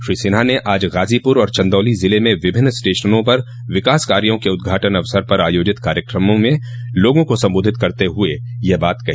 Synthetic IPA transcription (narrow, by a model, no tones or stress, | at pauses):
ʃɾiːsɪːnaneʔaːd͡ʒɣaːzipʊɾɔːɾt͡ʃɐ̃nd̪ɔːlizɪlemẽʋɪbʱɪnːsʈeːʃənõpɐɾ | ʋɪkaːskaːɾijõkeʊd̪̚ɡʱaːʈənɐʋsəɾpɐɾaːjoːd͡ʒɪt̪kaːɾjəkɾəmõmẽloːɡõkosɐ̃mboːd̪ʱɪt̪kɐɾt̪eɦʊe | jebaːt̪kɐɦiː